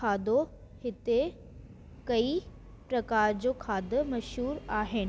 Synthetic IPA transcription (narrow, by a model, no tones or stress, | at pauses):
aːd̪o | hɪt̪e | kɐi | pɾɐkaːɾd͡ʑoːkʰaːd̪ʊ̆mɐʃɦuːɾaːɦɪnɪ̆